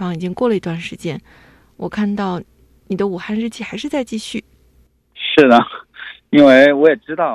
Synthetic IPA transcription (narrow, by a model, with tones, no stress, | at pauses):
fɑ˧˥ŋi˨˩t͡ɕi˥ŋkwɔ˥˩lə˩i˧˥t̪wa˥˩nʂɻ̩˧˥t͡ɕjɛ˥n | wɔ˨˩kʰa˥˧nt̪ɑ˥˩ʊ | ni˨˩d̪ə˦u˨˩xa˥˧nɻ̩˥˧t͡ɕʰi˥˩xa˧˥ɪʂɻ̩˥˧t͡sa˥˧ɪt͡ɕi˥˧ɕy˥˩ | ʂɻ̩˥˩nə˩ | i˥nwe˥˩ɪwɔ˧˥jɛ˨˩ʈ͡ʂɻ̩˥t̪ɑ˥˩ʊ